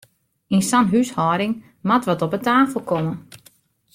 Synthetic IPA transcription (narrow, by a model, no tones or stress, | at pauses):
insanɦyshɔːɾɪŋ | matʋɔtɔpətaːfəl̩ˠkɔmən